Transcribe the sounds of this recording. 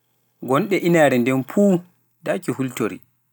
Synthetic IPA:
ɡɔnɗɛʔinaːɾɛndɛnfuː | dakihultoɾḭ

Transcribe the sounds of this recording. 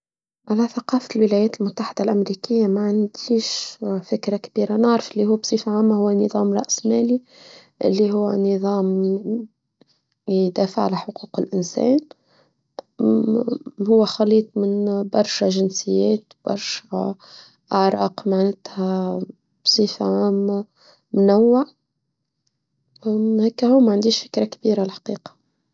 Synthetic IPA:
ʕalæθaqɑːfalwɪlæjɛːt̪lmʊt̪ːaħɪd̪alʔæmɾikɪjːamaʕand̪iːʃfɪkɾakb̥iːɾanɪʕɾɑfʔɪlːihʊwːæbsˤiːfʕaːmːahʊwːænɨðˤɑːmɾˤɑʔsmæːli | ʔɪ̰lːiɦʊwːæ̰nɨðˤɑːm | jd̪æːfaʕalæħʊquːqɪlʔɪnsæ̰ːn | hʊwːæxɑliːt̪ˤmɪnbɑɾˤʃæʒɪnsɪjːæːt̪b̥ɑ̰ɾˤʃæ | ʔaʕɾˤɑːqmaʕnɪt̪hæ | b̥sˤiːfaʕaːm | mʊnawːɪʕ | hæːkːæhuːmæʕand̪iːʃfɪ̥kɾakbiːɾalħḁqiːqɑ̥

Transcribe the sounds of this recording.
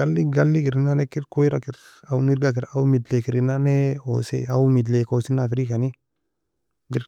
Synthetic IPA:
ɡalːiɡalːikiɾɪnanɛkiɾkoiɾakɪɾ | auniɾɡak̬ɪɾawumidlekiɾɪnaneo̰sḛaumidlekosinafɾikani | ɡiɾ

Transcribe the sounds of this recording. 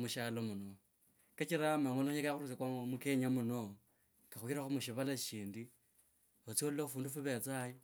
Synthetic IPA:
muʃalomuno | kat͡ʃiɾamaŋolakaxurut͡sakwamuke̞ɲamuno | kaxwiɾaxumuʃ̬iβalaʃiːndi | ot͡siolulaufuːndufuβet͡saji

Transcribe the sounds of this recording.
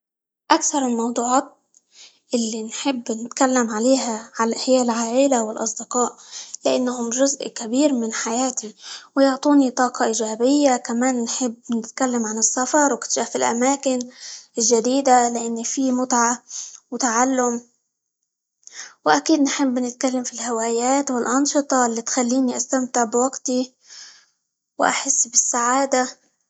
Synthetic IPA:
ʔakθɑɾˤɪlmɑwd̪ˤuːʕɑːt̪̚ | ʔɪlːinħɪbːnɪt̪kalːamʕaleːɦaʕalʔaħjaːʔɪlʕaːʔɪlawɪlʔɑ̰sˤd̪ɪqɑːʔlɪʔanːahʊmʒʊzʔkabiːɾmɪnħajaːt̪iwjʊʕt̪ˤuːnit̪ˤɑːqʰɑʔiːʒaːbɪjːakamaːnːħɪbːnɪt̪kalːamʕanɨsːafɑɾˤwkɪ̥t̪ʒaːfɪlʔa̰maːkɪnɪlʒad̪iːd̪alɪʔanːifimʊt̪ʕawt̪aʕalːʊm | wʔakiːd̪nħɪbːnɪt̪kalːamfilhawaːjaːt̪wɪlʔɑnʃɨt̪ˤɑlːit̪xalːiːniʔast̪amt̪ɪʕbɪwaɡt̪i | wʔa̰ħɪsːbɪsːaʕaːd̪a

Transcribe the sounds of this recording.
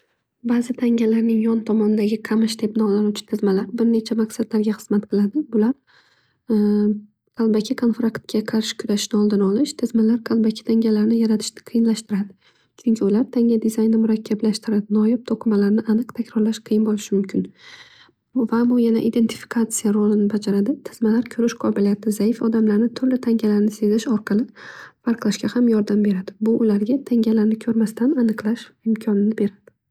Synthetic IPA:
bazɪt̪ʰaŋʲalaɾnɪŋjɒnt̪ʰɒmɒnɪd̪aɡʲɪqʰamɪʃd̪e̞p̚nɒlanut͡ʃʰɪ̥t̪ʰɪzmalaɾbɪɾne̞t͡ʃʰamaksad̪laɾɡʲaχɨz̥mat̪qʰɨlˠad̪ɪbʊlaɾ | qʰalˠbakʲʰɪkʰonfɾakt̪̚ɡʲaqʰɑɾʃɪ̥kʰʊɾaʃnɪɒlˠd̪ɪnɒlɪʃt̪ʰɪzmalaɾqʰalˠbakʲʰɪ̥t̪ʰaŋɡʲalaɾnɪjaɾat̪ʰɪ̥ʃqʰɨjɪnlaʃt̪ɪɾad̪ɪ | t͡ʃʰʊŋkʲʰɪʊlaɾt̪ʰaŋʲad̪ɪzajnːɪmʊɾakʲʰːablaʃt̪ɪɾad̪ɪnɒjɪp̚t̪ʰoqʰɨmalaɾnɪʔanɨqt̪ʰakʲɾɒɾlaʃqʰɨjɪnbolˠɪʃɪmʊmkʲʰɪn | vabʊjana̰ʔid̪e̞nt̪ʰɪ̥fi̥kʰat̪sɨjaɾolˠɪnɪbad͡ʒaɾad̪ɪt̪ʰɪ̥zmalaɾkʲʰɵɾɪʃqʰɒbɪlijat̪ʰɪzaɪfɒd̪amlaɾnɪt̪ʰʊɾlɪt̪ʰaŋʲalaɾnɪse̞zɪʃɒɾqʰɑlˠɪfaɾqlˠaʃkʲahamjɒɾd̪ambe̞ɾad̪ɪbʊʔʊlaɾɡʲat̪ʰaŋʲalaɾnɪkʲʰɵɾmast̪ʰananɨqlˠaʃɪmkʲʰɒnɪnɪbe̞ɾad̪̥ɪ

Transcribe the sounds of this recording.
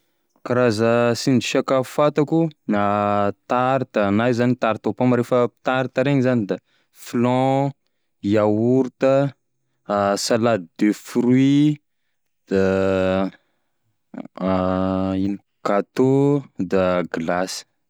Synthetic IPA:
kaɾazəsiniʃakafat̪akunat̪aɾit̪anajzanit̪aɾit̪opamaɾefəpi̥t̪aɾit̪əɾeɲizanid̪a | flɔ̃ | iawuɾt̪ə | salad̪id̪efɾwi | d̪̥a | ini | kat̪od̪aɡlas

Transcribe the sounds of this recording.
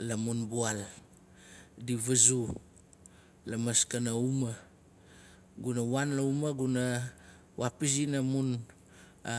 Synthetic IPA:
lamunbual | diβazu | lamaskanauma | ɡunawanlaumaɡuna | wapis̬inamun

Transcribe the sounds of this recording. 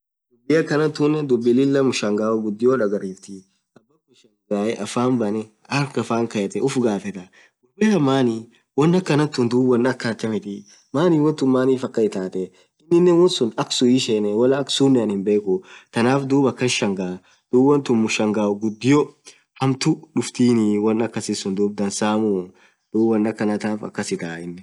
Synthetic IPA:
d̪ʊbːɪjɐkɐnɐt̪ːunɛd̪ʊbːɪlɪlːɐmʊʃɐŋɡaːwɔɡʊd̪ːɪjoːᶑɐɡɐɾiːft̪ɪ | sɐbːɐkːʊʃɐŋɡaːjɛʔɐfaːmbɐnɛ | ɐɾkɐfaːŋkɐjɛt̪ɛʔʊfɡaːfɛt̪ɐ | ɡʊbɛhɐmːaːni | wɔnːɐkːɐnɐt̪ːʊnd̪uːwːɐnːɐkːɐt͡ʃːɐmɪt̪ɪ | maːniwɔnt̪ʊmːaːniːfɐkʼːɐɪt̪aːt̪ɛ | ɪnːɪnːɛnwɔnsʊnɐksʊjiʃenɛwɐlɐːksuːnːɛɐnhɪmbe̞ːkʊt̪ɐnaːfd̪uːbɐkːɐnʃɐŋɡaː | d̪̥uːbːɐnt̪ʊmmʊʃɐŋɡaːɡʊd̪ːɪjɔ | hɐmt̪ʊᶑʊft̪iːniwɐnːɐkːɐsɪsʊnd̪uːb̚d̪ɐnsaːmʊ | d̪̥uːbɐnːɐkːɐnɐt̪aːfɐ̰kːɐsɪt̪aːɪnːɛ

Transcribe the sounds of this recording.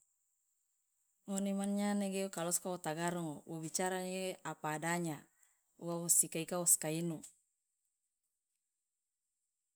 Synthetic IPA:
ŋonemanɲaneɡekalɔskawot̪aɡaɾɔŋowobit͡ʃaɾaneɡeapaːdaɲa | uawosikaikawɔskainu

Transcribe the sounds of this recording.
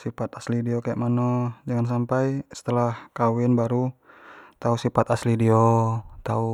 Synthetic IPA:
sifat̪aslidiokajaʔmanod͡ʒaŋans̬ampajsə̥t̪əlahkawɪnbaɾu | t̪ausifat̪aslidiot̪au

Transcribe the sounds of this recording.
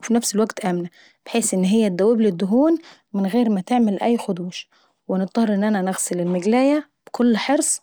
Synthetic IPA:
finæfsɪlwæɡt̪ʔæmnæ | b̥eħeːsʔɪnːɦɪjːæd̪æwːeblɪd̪ːʊɦuːn | mɪnɣeːɾmæt̪eʕmælʔæjːxʊd̪uːʃ | wɪnɪt̪ˤːɑhɾˤʔɪnːʔænænæɣsɪlɪlmɪɡlæːjæb̥ɪkʰʊlːħɑɾsˤ

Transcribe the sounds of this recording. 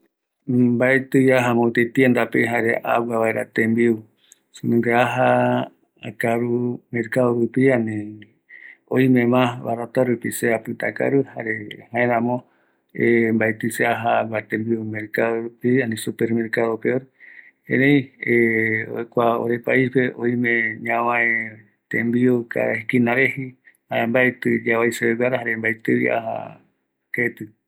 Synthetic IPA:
mbaet̪ɨjaɦamõt̪et̪iend̪apeɦaɾeʔa̰waβaeɾat̪ẽmbiu | sɨnɨ̃ŋɡeaɦa | a̰kaɾumeɾkaðoɾupianẽ | oimẽmãβaɾat̪aɾupiseapɨt̪a̰ka̰ɾɨhaɾehãẽɾãmõ | embaet̪ɨseaɦaɡat̪ẽmbiumeɾkaðoɾupianĩsupeɾmeɾkaðopeoɾ | hḛ̃nẽj̃eo̰ekʷao̰ɾepaispeʔoimẽɲãwãẽ | t̪ẽmbiuka̰ikinaɾehi | haembaet̪ɨd͡ʒaβajseeɡaɾaɦaɾembajt̪ɨḭa̰ha̰ | ket̪ɨ

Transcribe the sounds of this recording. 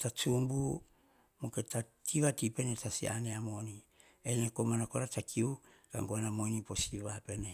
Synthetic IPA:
tat͡ʃumbu | moketatʰiβatipe̞netasḭa̰neamo̞ni | enekomanakoɾatakʰiu | ka̰ŋɡoanamojnipo̞siβape̞ne

